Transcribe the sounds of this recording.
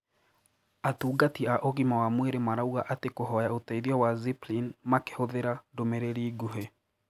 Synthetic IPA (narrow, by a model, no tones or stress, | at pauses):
atuːɡatiaʔoɣimawamweɾemaɾauɣaʔatekoɦɔjaotaiðiɔwaziplinmake̥hoðeɾadomeɾeɾiːɡuɦe